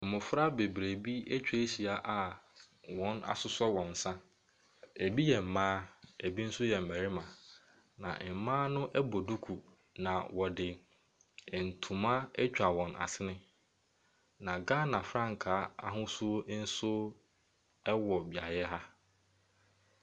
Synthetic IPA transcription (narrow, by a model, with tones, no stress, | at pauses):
m̩˨mʊ̃˨fɾa˦be˨bɾe˨bi˦e˦t͡ɕᶣe˦si˨a˨ʔa˨ | wɔ̃˦na̰˨sʊ˦sɔ˦wɔ̃˨n̩˨sã˦ | e˨bi˦jɛ˨m̩˨mãː˦e˨bi˦n̩˦sʊ˦jɛ˨m̩˨mæ˨ɾi˦mã˨ | nã̰˨m̩˨mãː˦nʊ̃˦ʔɛ˦bo˨du˦kʰu˨ | nã˨wɔ˨dɪ˨ | n̩˨tʰũ˨mã˦ɛ˦t͡ɕᶣa˨wɔ̃˨nʔa̰˨sɪ˦nɪ̃˦ | nã˨ɡa˦nã˨fɾã˦ŋ˨kʰaː˨˦a̰˦˨ɦʊ̃˦sʊ˦o˦n̩˦sʊ˦ | ɛ˦wɔ˨bi˨a̰˨ɾɪ˨˦ɛ˦ɦa˦